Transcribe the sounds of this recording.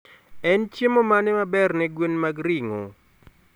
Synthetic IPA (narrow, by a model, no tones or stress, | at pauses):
ɛnt͡ʃjemomanɪmabɛrnɛɡwenmaɡɾiŋo̰